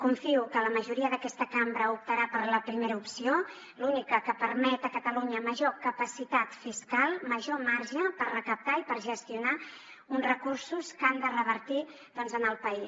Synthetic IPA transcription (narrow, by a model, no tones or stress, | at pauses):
kuɱfiukələməʒuɾiəðəkɛst̪əkambɾəup̚t̪əɾapəɾləpɾimeɾəupsio | lunikəkəpəɾmɛt̪əkət̪əluɲəməʒokəpəsit̪at̪fiskalˠməʒomaɾʒəpərrəkəp̚t̪aipəɾʒəst̪iuna | unzrəkursuskand̪ərəβ̞əɾt̪i | ðɔnzənəlˠpəi